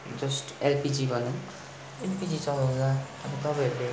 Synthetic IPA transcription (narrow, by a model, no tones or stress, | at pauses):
d͡zʌsʈelpid͡zibʱʌnu | elpid͡zit͡sʌlaw̃naʌnit̪ʌpajʌɾule